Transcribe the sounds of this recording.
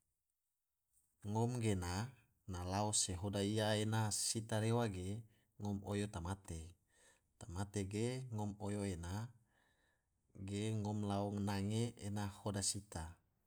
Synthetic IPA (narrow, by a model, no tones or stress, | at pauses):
ŋomɡena | nalaoseɦodaiaenasit̪aɾewaɡe | ŋɔmojot̪amat̪e | t̪amat̪eɡeŋomojoena | ɡeŋomlaɔŋnaŋeenahodasit̪a